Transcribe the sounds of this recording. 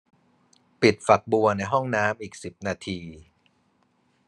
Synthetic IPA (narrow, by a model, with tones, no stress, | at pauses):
pi˨˩t̪̚fa˨˩k̚bu˧ɐna˧jɦɔ˥˩ŋnaː˦˥mʔiː˨˩k̚si˨˩p̚naː˧t̪ʰiː˧